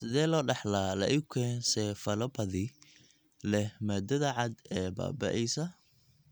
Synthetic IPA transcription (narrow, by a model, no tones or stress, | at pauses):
sɪðɛːlɔːɖɑħlaːlɐ̰ʔɪkʰɛːnsɛfɐlɐbɐðɪ | lɛmɐd̪ɐðɐʕɑd̪ɛːba̰ːbɐ̰ʔɛjsɐ